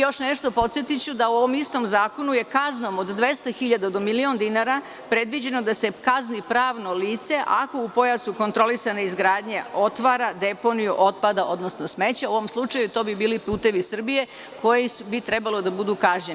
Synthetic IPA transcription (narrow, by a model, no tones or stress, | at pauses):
jo̞ʃne̞ʃt̪o̞po̞t̪sjet̪it͡ɕud̪auo̞ʋo̞mist̪o̞mzaːko̞nuje̞kazno̞mod̪d̪ʋe̞st̪axiʎad̪ad̪o̞milio̞nd̪inaɾa | pɾe̞d̪ʋid͡ʑe̞nod̪ase̞kaznipɾaːʋno̞liːt̪se̞ʔako̞upo̞jasuko̞nt̪ɾo̞lisaneizɡɾaːd̪ɲeo̞t̪ʋaːɾad̪e̞po̞nijuʔo̞t̪̚pad̪aʔo̞d̪no̞sno̞sme̞t͡ɕauo̞ʋomslˠut͡ʃajut̪o̞ːbibiːlipuːt̪e̞ʋisr̩bije̞ | kʰo̞jibit̪ɾe̞balod̪abud̪ukaʒɲe